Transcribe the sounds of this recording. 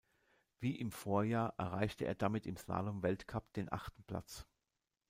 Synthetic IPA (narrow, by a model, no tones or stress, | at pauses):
v̥iːʔɪmfoːɐjaːʔɛ̰ɐʁaɪçtəʔḛːɐdamɪtɪmsa̰ːlomvɛltkʰapd̥eːnʔa̰χtn̩pl̥a̰t͡s